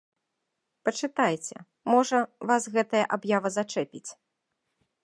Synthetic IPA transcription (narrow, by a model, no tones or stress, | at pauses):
pɐt͡ʂɨt̪ajt͡sʲɛ̰ | mɔʐɐvasɣɛt̪ɐjɐʔabjavɐzat͡ʂɛpʲit͡sʲ